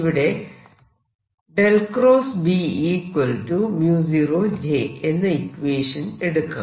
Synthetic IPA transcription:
iʋiɽe̞ | ɖelkroːsbiiːkwɐltumjuːs̬irod͡ʑeːenːɨikʋeːʂɐneɽukːɐ̰

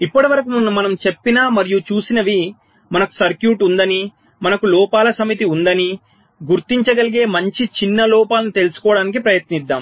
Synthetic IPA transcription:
ipːɐʈiʋɐɾɐkumunːumɐnɐmt͡ʃe̞pːinaːmɐɾijut͡ʃuːsinɐʋi | mɐnɐku̥sɐɾkjuːʈund̪ɐni | mɐnɐkulɔːpaːlɐsɐmit̪̬iund̪ɐni | ɡuɾt̪iɲt͡ʃɐɡɐliɡe̞ːmɐɲt͡ʃit͡ʃinːɐlɔːpaːlɐnit̪e̞lusu̥kɔːɐɽaːnik̬ipɾɐjɐt̪nid̪ːaːm

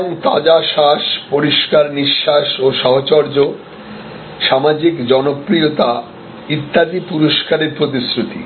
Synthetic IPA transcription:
oŋt̪a̰d͡ʑaʃaʃpoɾiʃkaɾniʃːaʃoʃɔɦot͡ɕɔɾd͡ʑo | ʃamad͡ʑikd͡ʑɔnopɾiot̪a | it̪ːad̪ipuɾoʃkaɾeɾpɾot̪̬isɾut̪ḭ

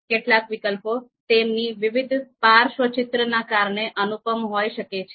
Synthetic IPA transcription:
keʈlakʋikəlpot̪emniʋiʋɪd̪ʱpaɾʃʋət͡ʃɪt̪ɾənakaɾɳeʔənupəmɦojʃəket͡ʃʰe

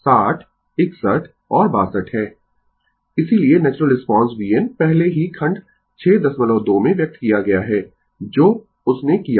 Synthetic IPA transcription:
saːʈʰ | ɪksəʈʰ | ɔːɾbaːsəʈhɛː | ɪsilienɛːt͡ʃɾəlɾɪspɔ̃ːnsbiːənpɛɦleɦikʰɐ̃ɳɖ | t͡ʃʰɛːd̪ɐsmɐlɔːd̪oːmẽʋjɐk̚t̪kijaɡɐjaɦɛː | d͡ʒoː | ʊsnekija

